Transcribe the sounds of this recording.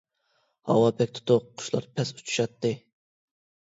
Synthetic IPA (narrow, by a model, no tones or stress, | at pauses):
hɑ̰wɑpʰɛk̚ʲt̪ʰʊ̥t̪ʊqqʰːʊ̥ʃlˠɑ̰ɾpʰɛsu̥t͡ʃʰu̥ʃɑt̪ːɨ